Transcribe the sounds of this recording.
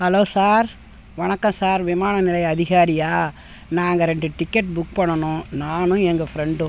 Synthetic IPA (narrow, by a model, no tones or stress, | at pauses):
hɐloːsaːɾ | ʋɐɳɐkːɐ̃msaːɾʋɪmaːɳɐnɪlɐjɐðɪɣaːɾɪjaː | naːŋɡɐɾɛɳɖɯʈɪkːɐʈ̚bʊkpɐɳːɐnʊ̃ːnaːnʊ̃ɛŋɡɐfɪɾɛɳɖʊ̃